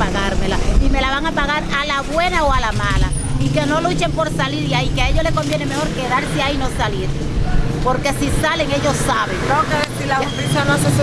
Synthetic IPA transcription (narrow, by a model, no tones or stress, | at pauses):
aɣaɾmelaime̞laβaŋapaɣaɾalaβwe̞naoalamala | ike̞no̞lut͡ʃe̞mpo̞ɾsaliɾiaikeaeʎole̞ko̞mbje̞ne̞me̞ho̞ɾke̞ðaɾseaino̞saleɾsepo̞ɾke̞sisale̞ŋe̞ʝo̞sːaβeŋkaokeesilapisanoses